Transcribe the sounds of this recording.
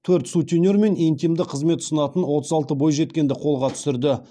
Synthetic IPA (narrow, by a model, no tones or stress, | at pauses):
t̪ʰɵɾt̪sut̪ʲynʲeɾme̞nint̪ijmd̪ɪqʰəzme̞t̪ʊ̥sənɑt̪ənwo̞t̪əzɑlˠt̪əbo̞jʒe̞t̪̚kʲe̞nd̪ɪqʰo̞lˠʁɑt̪ʰʏ̥sɪɾd̪ɪ